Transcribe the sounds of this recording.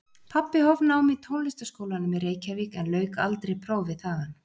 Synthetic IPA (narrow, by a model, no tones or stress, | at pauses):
pʰapːɪhɔvnawmit̪ʰownlɪst̪askoːwlanʏmɪðɾeːjcaviːkɛnlœːɥkaalt̪ɾejpʰɾoːwvɪðθaːɣan